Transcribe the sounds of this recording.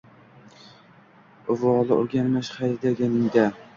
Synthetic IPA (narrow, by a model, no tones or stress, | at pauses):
ʊvɒlˠɪo̰ɾɡʲanmaʃχajɾɪd̪aɡʲanɪŋd̪a